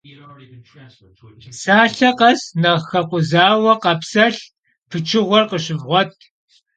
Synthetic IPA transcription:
saːɬɐqɐznɐxɐqʷʊzaːwɐqɐpsɐɬ | pʰɨt͡ʃʰɪʁʷɔrqəɕɪvʁʷɔt̚ʰʼ

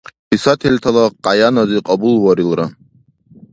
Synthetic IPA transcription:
hisat̪ʰɛlt̪ʰalˠɔqʼajanɔd̪iqʼɔbulˠwɔɾilɾa

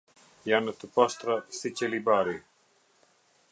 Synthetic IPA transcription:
jaːnɐt̪upɐst̪ɾɐsit͡ɕɐlibaːɾi

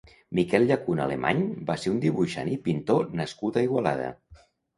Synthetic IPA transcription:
mikɛlˠʎakuna̰lemʔa̰ɲbaseund̪iβuʃa̰nipint̪onəskut̪əiɣwala̰ð̞ə̰

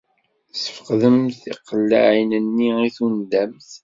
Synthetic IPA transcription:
sə̥fqðəmθiqːəlːa̰ʕinənːiiθund̪æmθ

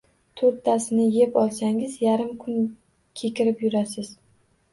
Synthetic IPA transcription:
t̪ʰoɾt̪ʰːasɪnɪje̞pɒlˠsaŋɪzjaɾɪmkʰʊn | kʲʰe̞kʲɪɾɪpjʊɾasɪz̥

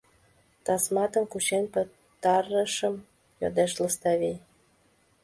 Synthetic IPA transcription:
t̪ɑsmɑt̪ə̆mkut͡ɕenpə̆ | t̪ɑrəʃəm | jo̰d̪eʃləst̪ɑβij

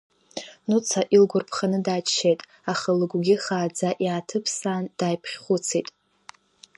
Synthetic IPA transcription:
nut͡sʰaʔilɡʷʊrpʰχanɨdaːt͡ʃʃejtʼ | aχəlɨɡʷɡʲiχaːd͡zaʔiatʰɨpʰsaːnd̥aːjpʰχʲχʷʊt͡sʰejtʼ

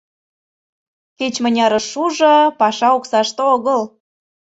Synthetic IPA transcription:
ket͡ɕmə̆nʲɑɾəʃuʒɤ̆pɑʃɑoksɑʃt̪eoɣəl

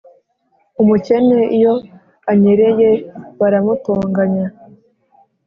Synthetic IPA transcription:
umuce̞neijo̞ | aɲeɾe̞jeβaɾamutoːŋɡaɲa

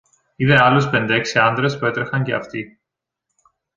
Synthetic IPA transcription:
iðeɐluspe̞nd̪e̞ksiɐnd̪ɾe̞spue̞t̪ɾexɐɲce̞ɐ̰ft̪i

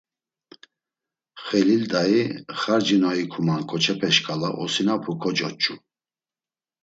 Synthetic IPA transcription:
χɛlild̪aiχaɾd͡ʒinɔikʰumankʼɔt͡ʃʰɛpʰɛʃkʼalaʔɔsinapʰukʰɔt͡ʃʼɔt͡ʃʼu

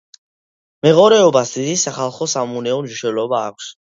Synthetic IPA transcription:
mɛʁɔɾɛɔbasd̪id̪isaχalˠχɔsamunɛɔnʒuʃɛlɔba̰ːkʷʰs

